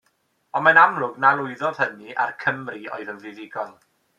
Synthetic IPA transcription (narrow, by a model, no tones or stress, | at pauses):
ɔnmanamlˠʊɡnalˠʊɨðɔð̥həniʔa̰rkʰəmrio̰ɨðənvɪðɪɡɔlˠ